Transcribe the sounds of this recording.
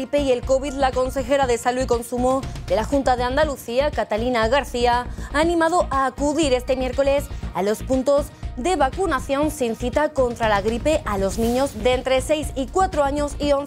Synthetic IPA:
ipe̞ie̞lko̞βid̪lako̞nsexe̞ɾaðe̞saluiko̞nsumod̪e̞laxunt̪aðeand̪aluθiakat̪alinaɣaɾθiaaːnĩmað̞oʔaːkuðiɾe̞st̪e̞mje̞ɾko̞le̞salo̞spunt̪o̞zd̪e̞βakunaθjo̞nsinθit̪ako̞nt̪ɾalaɣɾipe̞ʔalo̞znĩɲo̞zd̪ent̪ɾe̞se̞jsikwat̪ɾoaɲo̞sio̞n

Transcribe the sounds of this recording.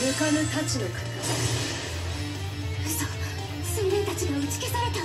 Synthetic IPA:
jɯkanɯt̪at͡ɕinokɯ̥t̪a | ɯso | sɨ̃nd̪ent̪at͡ɕiɡait͡si̥kesaɾe̞t̪a

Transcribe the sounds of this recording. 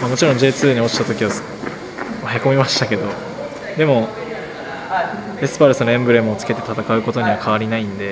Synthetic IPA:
mamo̞t͡ɕiɾõɲ̟d͡ʑe̞ːt͡sɨːɲ̟io̞t͡ɕi̥t̪at̪o̞kʲiβa | mahiko̞mʲimaɕi̥t̪ake̞d̪o̞ | d̪e̞mo̞ | esɨ̥paɾɯ̟sɨnoẽ̞mbɯ̟ɾe̞mɯ̟ot͡sɨ̥ke̞t̪e̞t̪at̪akaɯ̟ko̞t̪o̞ɲ̟iβakʰaβaɾʲinaĩnd̪e̞

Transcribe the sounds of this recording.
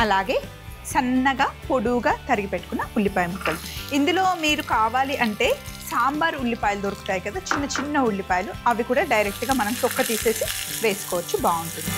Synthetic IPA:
ɐlaːɡe̞ː | sɐnːɐɡaːpo̞ɽuːɡaːt̪ɐɾiɡipeʈːu̥kunːɐulːipaːjimuʈːɐːliind̪ulo̞ːmiːɾukaːʋaːliʔɐɳʈe̞ːsaːmbɐɾuɭːipaːjlud̪oɾɐku̥t̪aːjikɐd̪aːt͡ʃinːɐt͡ʃinːɐuɭːipaːjluɐʋikuːɽaːɖɐjɾek̚ʈɡaːmɐnɐmt͡ʃɔkːɐt̪iːse̞ːsiʋe̞ːsu̥kɔːʋɐt͡ʃːubaːuɳʈu

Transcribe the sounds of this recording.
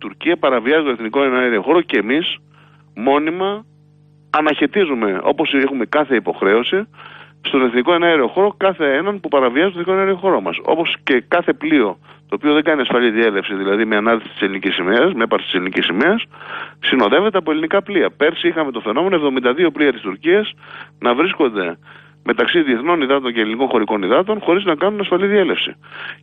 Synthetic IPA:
it̪uɾciɐpɐɾɐviɐzit̪oeθniko̞eneɾio̞xo̞ɾo̞ce̞ːmis | mo̞nimɐː | nɐçe̞t̪izume̞o̞̰po̞sexume̞kɐθe̞ipo̞xɾe̞o̞si | st̪o̞ne̞θniko̞e̞neɾio̞xo̞ɾo̞kɐθee̞nɐnpupɐɾɐviɐzt̪oθnikonɐɾio̞xo̞ɾo̞mɐ̰so̞̰po̞sce̞kɐθe̞plio̞t̪o̞ːpio̞ðe̞ɡɐniɐsfɐliðie̞le̞fsiðilɐðimeɐnɐðisi̥t̪i̥se̞linicisimeɐsmeepɐɾst̪ise̞linicisime̞ɐssino̞ðe̞ve̞t̪eɐpoelinikɐpliɐpe̞ɾsiixɐme̞t̪o̞fe̞no̞me̞noevðomind̪ɐðio̞pliɐt̪ist̪uɾciɐsnɐvɾisko̞nd̪e̞ | me̞t̪ɐksiðie̞θno̞niðɐt̪o̞ɲceliniko̞nxo̞ɾiko̞niðɐt̪̬o̞nxo̞ɾiznɐkɐnunɐsfɐliðie̞le̞fsḭ

